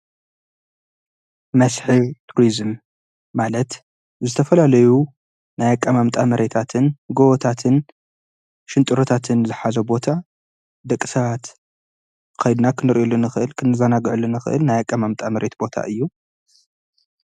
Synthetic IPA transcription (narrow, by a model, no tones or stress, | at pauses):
mɐsħɨβt̪ʰuɾizɨmː | alɐt̪ | zɨt̪ʰɐfɐlalɐju | najakʼːɐmamt̪ʼamɐɾe̞t̪ʰat̪ʰɨnhɨɡoβot̪ʰat̪ʰɨn | ʃɨnt̪ʼɨɾot̪ʰat̪ʰɨnzɨħazobo̞t̪ʰa | d̪ɐkʼi̥sɐβat̪ | kʰɐjd̪nakʰɨnɨɾʔolːɨnɨxɨʔɨlkʰɨnɨzanaɡɨʕulɨnɨxɨ̰ʔɨ̰lnajakʼːɐmamt̪ʼamɐɾe̞t̪bo̞t̪ʰa̰ʔɨjːu